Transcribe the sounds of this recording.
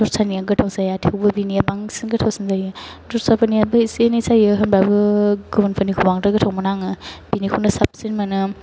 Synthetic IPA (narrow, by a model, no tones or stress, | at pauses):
dɔɾsaniaŋɡɯtʰawsajatʰiɯwbɯbinijabaŋsinɡɯtʰawsinzajɯdɔtsapʰanijabɯisenisajɯɦɐnbabɯɡɯbunpʰanikʰubaŋdɯɡɯtʰawmɔnaŋɯb̥inikʰunɐsap̚sinmanɯ